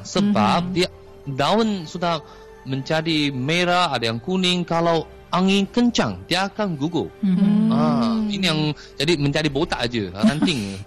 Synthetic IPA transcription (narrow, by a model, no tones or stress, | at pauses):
səbap̚dia | daʊnsudah | məɲt͡ʃadimeɾaːdajaŋkunɪŋkalaw | ʔaŋikəɲt͡ʃa̰ŋdiaːkanɡuɡo̰ | ainijaŋ | d͡ʒadiməɲt͡ʃadibot̪aʔad͡ʒuɾant̪ɪŋ